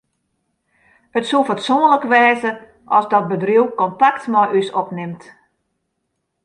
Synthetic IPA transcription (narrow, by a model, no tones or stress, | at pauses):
ətsufatsoːə̃nləkʋɛːzə | ʔɔsdɔt̚bədriwkɔntaktmɔjʔysɔpnɪmt